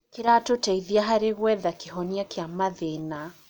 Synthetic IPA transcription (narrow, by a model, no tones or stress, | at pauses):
kiɾatotaiðiaɦaɾeɣwɛðakiɦɔniakiamaðena